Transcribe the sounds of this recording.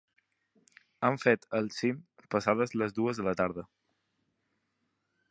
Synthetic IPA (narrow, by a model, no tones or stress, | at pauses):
aɱfet̪əlˠsimpəsaðəzləzd̪uəzðələt̪aɾðə